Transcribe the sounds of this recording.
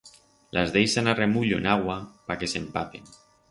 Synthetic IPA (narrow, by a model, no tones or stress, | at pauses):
lʔazðejsanaremuʎoenaɣwapakesempapin